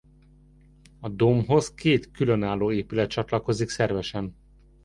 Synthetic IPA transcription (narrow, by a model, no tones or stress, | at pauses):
ɒd̪omɦo̞zkeːt̪kylønaːloːeːpylɛt̪̚t͡ʃɒt̪lɒko̞ziksɛrvɛʃɛn